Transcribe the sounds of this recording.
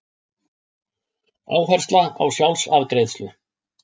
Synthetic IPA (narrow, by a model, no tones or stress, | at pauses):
a̰ːwɦɛɾ̥t̪laa̰wsjawlsaðkɾeːjðst̪lʏ